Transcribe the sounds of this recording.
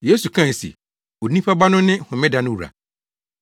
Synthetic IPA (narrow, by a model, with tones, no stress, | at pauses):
je˦su˨kʰã˦˨n˨sḛ˨ | o˨nĩ˦pʰa˦ba˦nʊ̃˦nɪ̃˦hʊ̃˨mɪ̃˦da˨nʊ̃˦u˨ɾa̰˨